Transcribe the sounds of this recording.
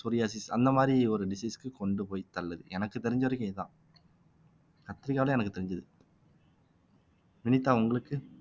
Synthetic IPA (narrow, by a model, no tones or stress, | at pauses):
suɾɪjaːsisɐ̰nd̪ɐmaːd̪ɾiɔɾɯɖɪsiːskɯkɔɳɖɯpoːjt̪ɐɭːɐðɯ̰ɛnɐkːɯt̪ːɛɾɪɲd͡ʒɐʋɐɾɐkːɛt̪ã̰ː | kɐt̪ːɪɾɪkːaːʋɪlɛɛnɐkːɯt̪ɛɾɪɲd͡ʒɐðɯ | mɪnɪt̪ːaːʊŋɡɐɭɯkːɯ